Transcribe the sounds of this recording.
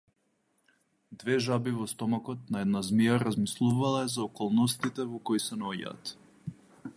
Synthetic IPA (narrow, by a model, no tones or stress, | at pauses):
d̪vɛʒabivɔst̪ɔmakɔt̪̚naɛd̪nazmijaɾazmislˠuvalˠazaɔkɔlˠnɔst̪it̪ɛvɔkɔisɛnaɔɟa̰ːt̪